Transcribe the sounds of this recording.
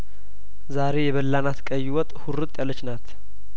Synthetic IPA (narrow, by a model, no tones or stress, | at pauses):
zaɾe̞jɛβəlːanat̪kʼəjːɪwɔt̪ʼhuɾɨt̪ʼjalːət͡ʃːnat̪